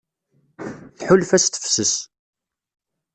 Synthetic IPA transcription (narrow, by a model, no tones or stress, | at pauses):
θħʊlfæst̪ə̥fsəs